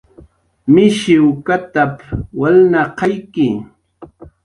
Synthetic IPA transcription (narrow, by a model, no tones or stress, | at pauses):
mɪʃɪwkat̪apwalnaqɑjkɪ